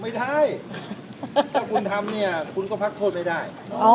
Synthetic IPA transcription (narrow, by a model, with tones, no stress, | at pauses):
ma˥˩jda˥˩j | t̪ʰaː˥˩kʰu˧nt̪ʰa˧mni˥˩ɐkʰu˧nkɔː˥˩pʰa˦˥k̚t̪ʰoː˥˩ma˥˩jdaː˥˩j